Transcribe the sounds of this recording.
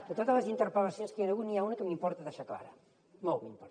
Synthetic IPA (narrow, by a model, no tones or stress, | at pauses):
d̪̥et̪oðalasint̪eɾpolasjõnskeneɣuniaunikəmimpɔɾt̪aðeʃakla̰ɾɐ̰ | mowmḭmpɔɾt̪